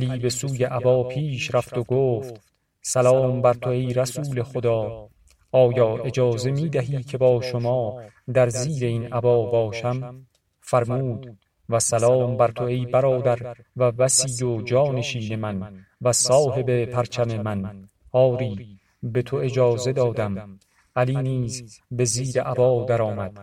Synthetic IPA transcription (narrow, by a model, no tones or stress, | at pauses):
liːbe̞suːje̞ʔæbɒːpʰiːʃɾæft̪oɡoːft̪ | sælɒːmbæɾt̪ʰoe̞jɾæsuːle̞xod̪ɒː | ɒːjɒːʔe̞d͡ʒɒːze̞miːd̪æɦiːcʰe̞bɒːʃomɒː | d̪æɾziːɾe̞iːnæbɒːbɒːʃæm | fæɾmuːd̪̥ | væsælɒːmbæɾt̪ʰo̞e̞jbæɾɒːd̪æɾvæbæsiːd̪od͡ʒɒːne̞ʃiːne̞mænvæsɒːhe̞be̞pʰæɾt͡ʃʰæme̞mæn | hɒːɾiː | be̞t̪ʰo̞e̞d͡ʒɒːze̞d̪ɒːd̪æm | ʔæliːniːzbe̞ziːɾeʔæbɒːd̪æɾɒːmæd̪̥